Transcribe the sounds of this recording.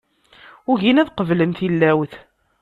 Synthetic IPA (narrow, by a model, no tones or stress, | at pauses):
ʊʝinæðqəvlənθilːæwθ